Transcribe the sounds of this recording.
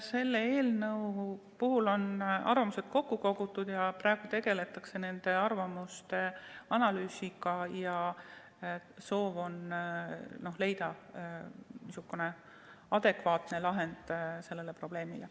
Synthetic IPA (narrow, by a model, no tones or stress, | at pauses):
se̞lːeeːlnɤw | puɦulo̞nɑ̰rvɑmuse̞d̪̥̚ko̞kːuko̞ɡ̥ut̪ːˑud̪̥jɑprɑːeɡ̥ut̪e̞ɡ̥e̞le̞t̪ːˑɑkse̞ne̞nd̪̥e̞ɑrvɑmust̪e̞ɑnɑlyːsiɡɑjɑ | so̞ːvo̞n | no̞hle̞jd̪ɑ | misukːune̞ | ɑd̪̥e̞kvɑːt̪ne̞lɑɦe̞nd̪̥se̞lːe̞le̞pro̞b̥le̞ːmḭle